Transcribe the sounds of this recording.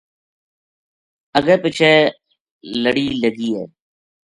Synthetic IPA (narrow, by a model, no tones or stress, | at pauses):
əɡəːpɪt͡ʃʰɛː | ləɽiːləɡiːɦɛ̰ː